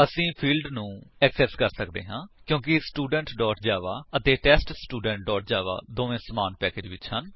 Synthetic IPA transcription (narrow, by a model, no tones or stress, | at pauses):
əsĩːpʰiːlɖnũːɛksɛːskəɾsəkd̪ḛːɦãːkjõːkɪsʈuːɖə̃ɳʈɖɔːʈd͡ʒaːʋaːət̪eːʈɛːsʈsʈuːɖɛ̃ɳʈ̚ɖɔːʈ̚d͡ʒaːʋa̰ːd̪oːʋẽːsəmaːnpɛːkeːd͡ʒʋɪt͡ʃhən